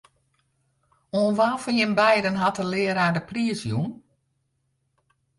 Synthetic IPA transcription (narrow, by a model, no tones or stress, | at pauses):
onʋafɔnjɪnbɛjdənɦatəlɪːəɾaːdəpriəsjun